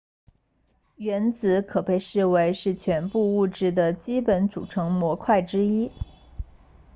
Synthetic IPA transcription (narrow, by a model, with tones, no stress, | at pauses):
ɥɛ˧˥nt͡sɹ̩˧˥kʰɤ˨˩pe˥˧ɪʂɻ̩˥˩we˧˥ɪʂɻ̩˥˩t͡ɕʰɥɛ˧˥npu˥˧u˥˧ʈ͡ʂɻ̩˥˩d̪ə˩t͡ɕi˥pə˧˥nt͡sṵ˨˩ʈ͡ʂʰɤ˧˥ŋmwɔ˧˥kʰwa˥˩ɪʈ͡ʂɻ̩˥i˥